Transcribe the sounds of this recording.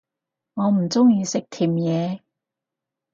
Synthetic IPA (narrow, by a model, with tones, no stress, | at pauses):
ŋɔː˨˧m̩˨˩t͡sʊ˥ŋjiː˧sɪ˨k̚t̪ʰiː˨˩mjɛː˨˧